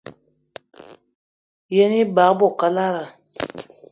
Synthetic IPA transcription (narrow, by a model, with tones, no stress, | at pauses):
jɛ˦ni˦ba˨˦bɔ˦˨ka˦la˦ɾa˨